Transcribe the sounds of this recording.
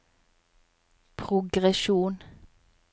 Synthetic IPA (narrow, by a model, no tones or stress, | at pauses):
pʰʁʊɡʁɛʃuːn